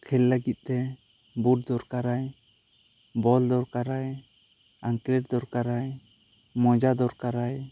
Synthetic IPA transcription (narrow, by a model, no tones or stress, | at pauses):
kʰɛlːəɡit̪̚ˀt̪ɛ | buʈ̚d̪ɔɾkaɾaj | bɔld̪ɔɾkaɾaj | aŋklɛʈd̪ɔɾkaɾaj | mɔd͡ʒad̪ɔɾkaɾaj